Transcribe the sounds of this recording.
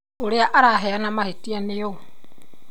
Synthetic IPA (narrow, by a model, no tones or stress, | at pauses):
oɾeaʔaɾaɦeanamahetianeo